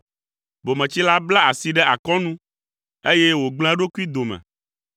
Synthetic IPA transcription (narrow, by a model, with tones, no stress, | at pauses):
bo˨mɛ̃˨t͡ɕi˦la˦bla˦a˨si˨ɖɛ˦ʔa˨kɔ˦nũ˦ | e˦je˦wo˨ɡ͡bl̃ã˦ɖo˦ku˦i˦d̪o˨mɛ̰̃˨